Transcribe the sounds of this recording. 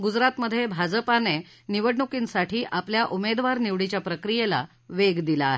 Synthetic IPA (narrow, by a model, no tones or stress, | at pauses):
ɡud͡zɾat̪məd̪ʱːjebʱad͡zəpane | niʋəɽɳukinsaʈʰiːʔapljaʔumed̪ʋaɾniʋɽit͡ɕjapɾəkɾijela̰ | ʋeɡd̪ilaːɦe